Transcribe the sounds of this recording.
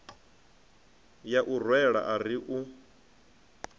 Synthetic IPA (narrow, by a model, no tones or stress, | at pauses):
jaʔurwɛɺa̰ʔaɾiʔu